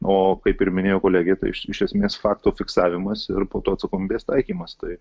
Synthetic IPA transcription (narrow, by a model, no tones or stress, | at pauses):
oːkɐɪpɪɾmʲɪnʲeːjoːkoːlʲæːɡʲet̪ɐ̰ɪʃɪʃʲɛsʲmʲeːsfɑːkt̪oːfʲɪksɑːʋʲɪmɐsɪɾpoːt̪oːɐt̪sɐkoːmʲiːbʲeːst̪ɐɪkʲiːmɐst̪ɐɪ